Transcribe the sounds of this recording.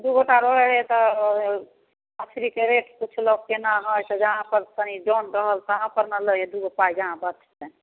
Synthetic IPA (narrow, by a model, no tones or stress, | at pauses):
d̪uɡoʈaɾəɦeɦet̪ɔ | ətʰɾikeɾeʈkut͡ʃʰlɔɡ̚kenaɦɔjt̪ɔd͡ʒəɦãpəɾt̪əniɖɔnɾəɦəlt̪ɦãpəɾnaləed̪uɡopajd͡ʒəɦãbət͡ʃʰt̪e